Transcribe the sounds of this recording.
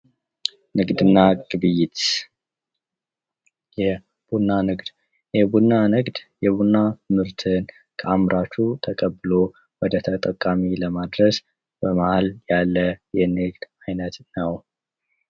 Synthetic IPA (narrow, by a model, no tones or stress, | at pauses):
nɨɡd̪ɨnːaɡʼɨbɨjɪt̪ | jɛ | b̥unːanɨɡd̪ | jɛbunːanɨɡd̪jɛbunːat̪ʰɨmhɨɾt̪ʰɨn | kʰəamɾʔat͡ʃːut̪ʰəkʼəbːɨlo | wɔd̪ət̪ʰət̪ʼəkʼːamiləmad̪ɾəs | b̥əmahaljalːəjɛnɨɡd̪̥ajnət̪nəw